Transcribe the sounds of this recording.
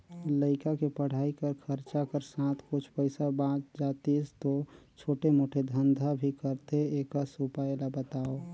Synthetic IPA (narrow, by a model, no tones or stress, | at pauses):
ləɪkakepəɽ̤aːikəɾkʰəɾt͡ʃakəɾsãt̪ʰkʊt͡ʃʰpəɪsabãt͡ʃd͡ʒat̪ist̪ot͡ʃʰoːʈemoːʈʰed̪ʱənd̪ʱabʱikəɾt̪eekasupaelabət̪ao